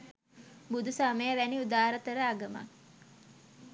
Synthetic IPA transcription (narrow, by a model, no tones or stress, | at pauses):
bud̪ʱusaməjəʋæniud̪aːɾət̪əɾəaɡəma̰k